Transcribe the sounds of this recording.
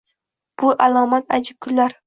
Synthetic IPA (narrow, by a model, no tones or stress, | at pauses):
b̥uʔalˠɒːmat̪a̰d͡ʒɪp̚kʲʰʊllːaɾ